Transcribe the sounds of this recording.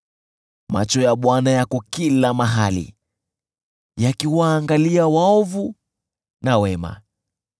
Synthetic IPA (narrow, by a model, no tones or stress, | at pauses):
ma̰t͡ʃɔjaɓwanajakɔkilamaɦalḭ | jakiwaːŋɡaliawaɔvu | nawɛma̰